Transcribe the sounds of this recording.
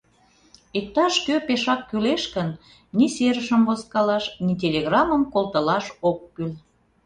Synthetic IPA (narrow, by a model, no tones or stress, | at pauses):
ik̚t̪ɑʃkøpeʃɑkːyleʃkən | niseɾəʃəmboskɑlɑʃnit̪̬ʲelʲeɣrɑməmkolˠt̪əlɑʃokːyl